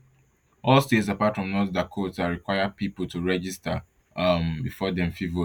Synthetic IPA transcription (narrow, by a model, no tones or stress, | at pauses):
ɔlstets̬apatfɹɔ̃mnɔtdakʰotsaɹikwaɪəpipol̩tʰuɹɛd͡ʒista | mbifɔdɛ̃mfivo